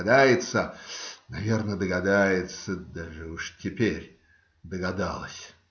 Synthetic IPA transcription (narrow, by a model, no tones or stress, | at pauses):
d̪ajɪt̪sənɐvʲe̞rnəd̪əɡɐd̪ajɪt̪səd̪aʐɨuʂtʲɪpʲeɾʲ | d̪əɡɐd̪a̰lˠəsʲ